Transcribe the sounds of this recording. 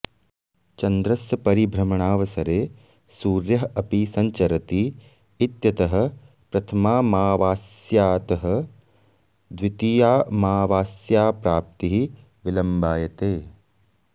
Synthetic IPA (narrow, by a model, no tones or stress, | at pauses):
t͡ʃɐnd̪ɾɐsjɐpɐɾibʱɾɐmɐɳaːʋɐsɐɾeː | suːɾjɐɦɐpisɐɲt͡ʃɐɾɐt̪iː | t̪jɐt̪ɐɦɐ̆ | pɾɐt̪ʰɐmaːmaːʋaːsjaːt̪ɐɦɐ̆ | d̪ʋit̪ijaːmaːʋaːsjaːpɾaːp̚t̪iɦi | ʋilɐmbaːjɐt̪eː